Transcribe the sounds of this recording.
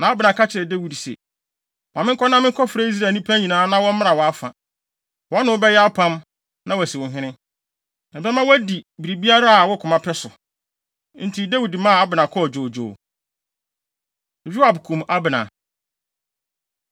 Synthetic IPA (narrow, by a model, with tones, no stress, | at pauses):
nã˨˦a˦bɪ˨nã˨ka˦t͡ɕʰɪ˨ɾɛ˨de˦wi˨dsɛ̰˨ | wmɪ̃˦kʰɔ˦nã˦mɪ̃˦kʰɔ˦fɾa˨˦i˦s̬ɾaː˨nĩ˦pʰã˦ɲĩ˨nãː˨˦nã˦wɔ̃˦mmɪ̃˦a˨wɔ˨a˦fã̰˨ | wɔ̃˦nʊ̃˨ʊ˦bɛ˦jɛ˦a˦pʰã˦m | nã˦wɔ˨æ˨sɪ˨wʊ̃˨ɦɪ̃˦nɪ̃˦ | nã˨bɛ˦mã˦wæ˦di˨bi˨ɾi˨bi˦a˦ɾa˦a˨wɔ˦kʰʊ˨mã˦pʰɛ˦sʊ˨ | n̩˦tʰi˦dæ˦wu˨dmã˦˨a˦bɪ˨nã˨kʰɔ˦˨d͡ʑoː˨d͡ʑo̰ː˨ | e˨d͡ʑᶣi˦a˨bkʰũ˨ma˦bɪ˨nã̰˨